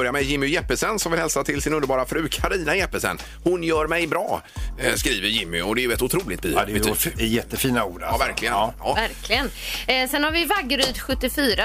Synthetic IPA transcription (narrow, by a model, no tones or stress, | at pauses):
œɾjamɛjɪmːɪjɛpːəsɛnsɔmvɪlhɛlsat̪ʰɪlsɪnɵnəɾbɑːɾafɾʉ̟ːkʰaɾiːnajɛpːəsɛ̰nː | hʊnjœːɾmɛjbɾɑːskɾiːvəɾjɪmːɪ̰ɔd̪ɛːjɵɛt̪ʊt̪ʰɾuːlɪkt̪̚by̰ːd̪ɛɛjɛt̪ːəfiːnauːɖvæɾkʰlɪɡəɑːvæɾkʰlɪɡənsɛnhaɾvɪvaɡːɾyːd̪ɧɵt̪ːɪfyːɾa